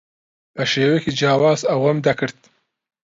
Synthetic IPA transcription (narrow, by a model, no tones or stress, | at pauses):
pəʃeːwekʲed͡ʒɑːwɑːzawɐmd̪akɨɽt̪̚